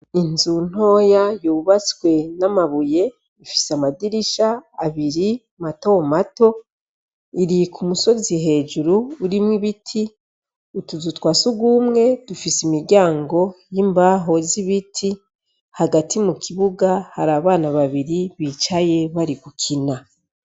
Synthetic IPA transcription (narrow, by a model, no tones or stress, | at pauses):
inzun̥o̞ːjajuβat͡swe̞namaβuje̞ | ifi̥samadiɾiʃaːβiɾi | mato̞mato̞ | iɾikumuso̞ziɦe̞ːd͡ʒuɾuːɾimwiβitʰi | utuzutwaːsuɡuːmŋe̞d̥ufisimiɾɟaːŋɡo̞jimbaɦo̞ziβitʰi | haɡatʰimukʰiβuɡahaɾaːβaːnaβaβiɾiβiːt͡ʃaje̞βaɾikukʰina